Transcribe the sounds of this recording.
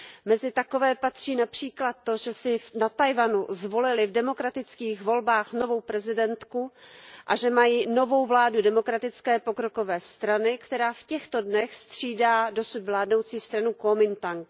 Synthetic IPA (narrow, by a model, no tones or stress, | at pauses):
mɛzɪt̪ako̞vɛːpat̪r̝̥iːnapr̝̥iːklat̪ːo̞ʒɛsɪfnat̪ajvanuzvo̞lɪlɪvdɛmo̞kɾat̪ɪt͡skiːxvo̞lbaːxno̞vo̞wpɾɛzɪdɛnt̪kuʔaʒɛmajiːno̞vo̞wvlaːdudɛmo̞kɾat̪ɪt͡skɛːpo̞kɾo̞ko̞vɛːst̪ɾanɪkt̪ɛɾaːfcɛxt̪o̞dnɛxst̪r̝̥iːdaːdo̞sud̪vlaːdno̞wt͡siːst̪ɾanukomɪnt̪aŋk